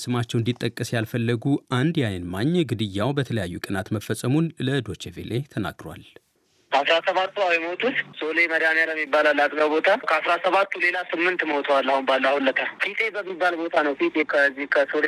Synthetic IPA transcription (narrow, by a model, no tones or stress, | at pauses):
sɨmat͡ʃːɛwɨnd̪it̪ʼːəkʼːɨsjalfəlːəɡuand̪jajənmaɲːɡɨd̪ɨjːawbət̪ʰələjajːukʼənat̪məfːəsʼəmunləd̪o̞t͡ʃevḛlʔet̪ʰəna̰ɡɾowa̰l | asɾasəβat̪ːuawemot̪ʰut̪soleməd̪amjaləmːibːalalːat̪ʼɡəwbo̞t̪ʰakʰəasɾasəβat̪ːule̞lasɨmːɨnt̪məot̪ʰəwalːahunbalːahulːət̪ʰafit̪ʰʼe̞bəmːibːalbo̞t̪ʰanəwfit̪ʼekʰəzːihkʰəsol